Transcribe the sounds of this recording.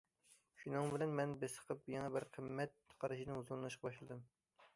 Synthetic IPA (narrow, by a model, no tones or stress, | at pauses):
ʃunɨŋbɪlɛnmɛnbɪsə̥qʰəp̚jɑŋɑbɪɾqʰəmːɛt̪̚qʰɑɾɨʃinɨuzulˠɨnɨʃqʰɑbɑʃlˠɨd̪ɨm